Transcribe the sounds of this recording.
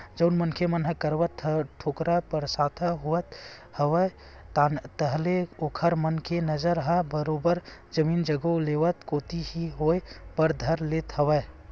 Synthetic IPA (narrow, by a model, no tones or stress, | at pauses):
d͡ʒəʊnmənkʰemənɦəkəɾʋət̪əʈʰokɾapəɾsat̪ʰəɦuət̪həʋə | t̪əɦleokʰəɾmənkʰenəd͡ʒəɾɦəbəɾobəɾd͡ʒəmind͡ʒəɡoleʋət̪kot̪iɦiɦojbəɾd̪ʱəɾlet̪ɦəwəj